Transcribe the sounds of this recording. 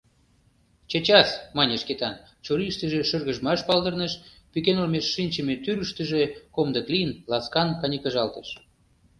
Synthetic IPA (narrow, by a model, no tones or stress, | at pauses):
t͡ɕet͡ɕɑsmɑnʲeʃket̪ɑn | t͡ɕoɾiʃt̪əʒĕʃərɣəʒmɑʃpɑld̪ərnəʃ | pykenolmeʃːinʲt͡ɕəmet̪yɾəʃt̪əʒekomd̪ək̪lijənlɑskɑnkɑnʲəkə̆ʒɑlt̪əʃ